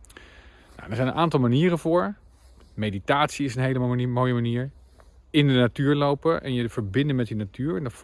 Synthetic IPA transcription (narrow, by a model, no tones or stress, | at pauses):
na̰wdəɹzɛjnənʔaːntɑlˠmaniːɾəvʊːɹ | mejditaːtsiɪsənɦejləmoːjəmaniːɹ | ɪndənatyːɹlowpəʔɛ̰njəv̥əɹbɪndəmɛt̚dinatyːɹɛnd